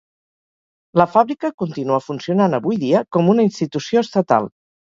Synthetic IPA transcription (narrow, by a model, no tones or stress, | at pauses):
ləfaβɾikəkunt̪inuəfunsiunanəβujðiəkɔmunəinst̪it̪usioəst̪ət̪a̰lˠ